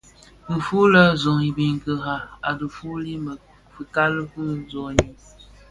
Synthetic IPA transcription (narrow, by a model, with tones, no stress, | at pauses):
m̩˨fu˦lə˦zɔ˨ŋi˨bi˨ŋɡə˨ɦa˨a˨du˨fu˦li˦m˨ | fi˨ka˦lə˦fɨ˦zo˨ɲi˨